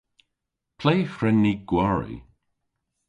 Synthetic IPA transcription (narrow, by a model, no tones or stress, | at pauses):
pʰlejfɾɛnːiːɡ̥waɹḭ